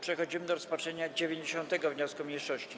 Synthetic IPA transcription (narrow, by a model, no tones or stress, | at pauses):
pʂɛxɔd͡ʑimɘd̪ɔɾɔspatʂɛɲad͡ʑevʲjeɲd͡ʑeɕɔnt̪ɛɡɔvɲɔskumʲɲejʂɔɕt͡ɕi